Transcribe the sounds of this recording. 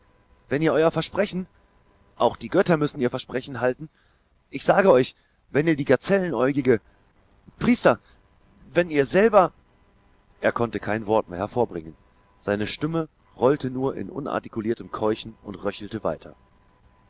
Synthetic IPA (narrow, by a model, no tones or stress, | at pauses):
v̥ɛniːɐʔɔʏɐfɛɐʃpʁ̥ɛçn̩ | ʔaʊxd̥iːɡœtɐmʏsn̩iːɐfɛɐʃpʁ̥ɛçn̩ɦaltn̩ | ʔɪçz̥aːɡəɔʏç | vɛniːɐdiːɡaɐt͡sɛlənʔɔʏɡɪɡə | pʁ̥iːstɐ | vɛniːɐzɛlbɐ | ʔeːɐkʰɔntəkʰaɪnvɔɐtmḛːɐhɛɐfoːɐbʁɪŋən | z̥aɪnəʃtɪmə | ʁɔltənuːɐʔɪ̰nʔʊ̰na̰ɐtikuliːɐtəmkʰɔʏçn̩ʊ̰ntʁœçl̩təva̰ɪtʰɐ̰